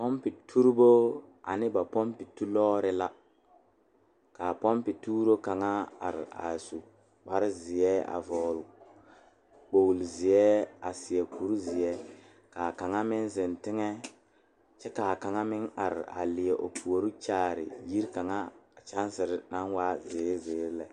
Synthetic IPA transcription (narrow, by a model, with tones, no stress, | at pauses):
pɔ˦mpɪ˨tʰu˦ɾbo˦ | a̰˨nɪ˦ba˨pɔ˦mpɪ˨tu˦lɔː˦ɾɪ˦la˦ | kaː˨pɔ˦mpɪ˨tuː˦ɾo˦ka˨ŋa˦a̰˨ɾɪ̰˨a̰˨su˨ | wa˦ɾɪ˦zɪ˨ɛ˦a̰˨vɔː˨lʊ˨ | k͡po˨wlzɪ˨jɛ˦a˨sɪ˨ɛ˨ku˦ɾzɪ˨ɛ˦ | kaː˨ka˨ŋa˦mɪ˦nzɪ˨ntɪ˦ŋɛ˦ | t͡ʃɛ˦ka˨ka˨ŋa˦mɪ˦ŋa˨ɾɪ̰˨a̰˨lɪ˨ɛ˨ʔo˨pʰu˨o˨ɾi˦t͡ʃaː˦ɾɪ̰˨ji˦ɾka˨ŋa˦a˨t͡ʃa˦n˦sɪ˨ɾɪ˨na˦nwaː˦zɪː˨˦zɪː˨˦ɾlɛ˨